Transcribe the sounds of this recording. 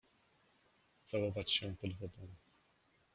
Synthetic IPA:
zawɔvat͡ɕɕɛ̃pɔd̪vɔd̪ɔm

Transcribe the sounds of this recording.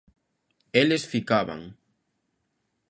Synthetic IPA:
elesfikaβa̰ŋ

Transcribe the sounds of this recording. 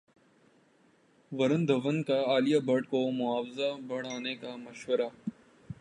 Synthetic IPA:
ʋɐɾə̃nd̪ʱɐʋənkaaːlijabʱɐɽkomʊaːʋzabɐɽ̤aːnekamɐʃʋəɾa

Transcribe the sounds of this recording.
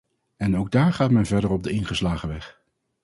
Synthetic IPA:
ɛnowɡ̚daːɹχaːtmɛnvɛɹdərɔb̚dəɪnχəslaːχəʋɛχ

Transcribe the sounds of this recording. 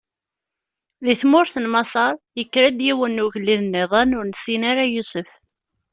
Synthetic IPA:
ðiθmʊɾθənmɑsˤɑɾˤjəkːɾəd̪jiwənːʊʝəlːiðnːeðˤɑnʊɾnəsinaɾajusəf

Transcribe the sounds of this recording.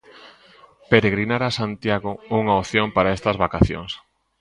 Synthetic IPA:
peɾeɣɾinaɾasant̪jaɣʊuŋaoθjoŋpaɾaest̪ɐzβakaθjo̰ŋs

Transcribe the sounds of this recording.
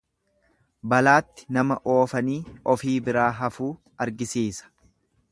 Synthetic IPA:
bɐlaːt̪ːɪ̥nɐmɐʔoːfɐniːʔɔfiːbɪɾaːɦɐfuː | ɐɾɡɪsiːsɐ̥

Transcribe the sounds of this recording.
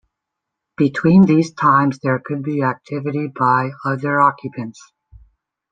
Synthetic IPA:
b̥ɨtʰw̥ĩnðiz̥tʰãɪ̃mzðə˞kʰɨd̚biæk̚tʰɪvɨɾibaɪʌðə˞ɑkʰjɨpʰɨ̃nts

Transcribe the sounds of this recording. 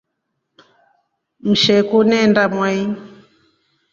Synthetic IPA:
m̩ʃɛkunɛndamwai

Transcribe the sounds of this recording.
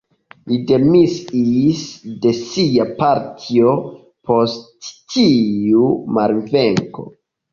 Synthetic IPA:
lide̞misisde̞siapaɾtʰio̞ | pʰo̞sttʰiumaɾve̞ŋko̞̰

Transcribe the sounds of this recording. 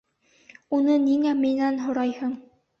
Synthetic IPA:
unɤniŋæminænɦŏɾɑjhɤɴ

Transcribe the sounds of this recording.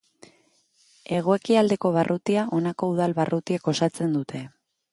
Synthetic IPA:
e̞ɣ̞o̞e̞kiald̪e̞ko̞β̞arʔut̪iaʔo̞nako̞uð̞alβarʔut̪ieko̞sat͡se̞nd̪ut̪ʰe̞

